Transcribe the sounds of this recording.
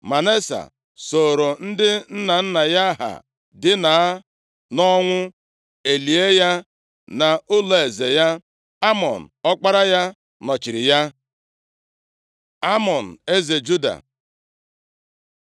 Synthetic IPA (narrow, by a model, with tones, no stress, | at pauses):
ma˨ne˦sa̰˨ | so˨ɾo˨n̩˦dɪ˦n̩˦na˨n̩˦na˨ja˦ɦa̰˨ | dɪ˦na˨a˦ | nɔ˦ŋʷʊ˦ | e˨li˨e˦ja˦ | na˨ʊ˦lo˨e˨ze˨ja˦ | a˦mɔ˨n̩˨ɔ˦k͡pa˦ɾa˦ja˦ | nɔ˨t͡ʃi˨ɾɪ˨ja˦ | a˦mɔ˨n̩˨e˦ze˨d͡ʒu˦da̰˨